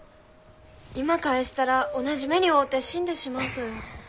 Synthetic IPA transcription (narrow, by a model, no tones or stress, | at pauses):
imakaeɕi̥t̪aɾao̞naʑime̞ɲ̟ʲio̞ːt̪ːe̞ɕĩnd̪e̞ɕimaɯ̟t̪o̞jo